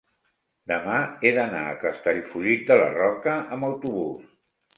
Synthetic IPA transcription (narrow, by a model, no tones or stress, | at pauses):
d̪əmaeðəna̰ə̰kəst̪əʎfuʎik̪̚d̪ələ̰rɔkəəməwt̪uβus